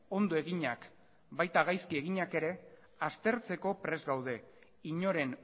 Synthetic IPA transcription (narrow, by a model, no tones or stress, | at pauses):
o̞nd̪oe̞ɣ̞iɲak | bajt̪aɣ̞ajskie̞ɣiɲake̞ɾe̞ | ast̪e̞ɾt͡se̞ko̞pɾe̞zɡawð̞e̞ | iɲo̞ɾe̞n